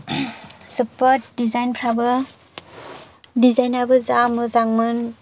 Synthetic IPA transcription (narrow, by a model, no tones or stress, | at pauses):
sɯpadizajnpʰɾabɯ | dizajnabɯzamɯzaŋmɯn